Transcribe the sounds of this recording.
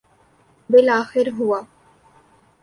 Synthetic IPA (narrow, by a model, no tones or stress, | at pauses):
bɪlaːxɪɾɦuwaː